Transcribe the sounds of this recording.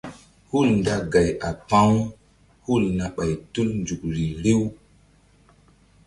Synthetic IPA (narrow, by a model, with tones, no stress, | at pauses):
hu˦˨lnda˦ɡa˨ja˨pa˦ŋ | hu˦˨lna˨ɓa˨jtu˦lnd͡ʒu˨k̚ɾi˨ɾe˦w